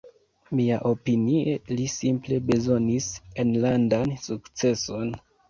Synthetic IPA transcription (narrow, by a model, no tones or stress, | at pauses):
miaʔo̞pinielisimple̞be̞zo̞nisenlandansukt͡se̞so̞n